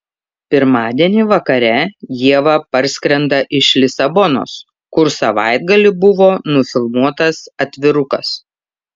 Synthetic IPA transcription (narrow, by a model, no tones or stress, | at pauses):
pʲɪɾmɑːd̪ʲiɛnʲiːʋɐkɐɾʲɛjiɛʋɐpɐɾʲsʲkɾʲɛnd̪ɐʔɪʃlʲɪsɐbɔno̰ːs | kʊɾsɐʋɑɪd̪̚ɡɐlʲɪbʊʋoːnʊfʲɪlˠmuɔt̪ɐsɐt̪ʲʋʲɪɾʊkɐs